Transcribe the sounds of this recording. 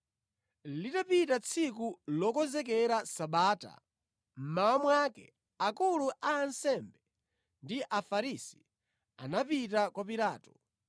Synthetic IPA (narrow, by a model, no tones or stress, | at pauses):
litapitat͡sʰik̬ulɔkɔzɛk̬ɛɾasaɓaːta̰ | m̩mawamwakɛ | akuluʔaːnsɛmbɛ | ndiʔafaɾisi̥ | a̰napitakwapiɾaːtɔ̥